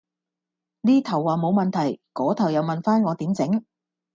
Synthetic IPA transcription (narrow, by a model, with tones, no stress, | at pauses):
niː˥t̪ʰɐ˨˩wːaː˨˩mo˨˧wmɐ˨nt̪ʰɐ˨˩jkɔː˨˥t̪ʰɐ˨˩wjɐ˨˧wmɐ˨nfaː˥nŋɔː˨˧t̪iː˨˥mt͡sɪ˨˧˥ŋ